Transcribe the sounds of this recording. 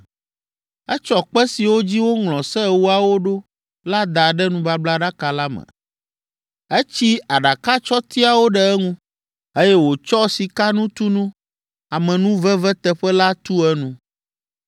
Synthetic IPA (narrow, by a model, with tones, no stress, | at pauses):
ɛ˦t͡ʃɔ˨k͡pɛ˦si˨wo˦d͡ʑi˦wo˦ŋlɔ̃˨sɛ˦˨wu˦a˨wo˦ɖo˦ | la˦d̪a˨ɖɛ˦nũ˦ba˦bla˦ɖa˦ka˨la˦mɛ̰̃˨ | ɛ˦t͡ɕi˦a˨ɖa˨ka˦t͡ʃɔ˦t̪i˦a˨wo˦ɖɛ˨ɛ˦ŋũ˦ | e˦jɛ˦wo˨t͡ʃɔ˦si˨ka˦nũ˦t̪u˦nũ˦ | a˨mɛ̃˨nũ˦vɛ˦vɛ˦t̪ɛ˦ɸɛ˦la˦t̪u˦ɛ˦nũ˦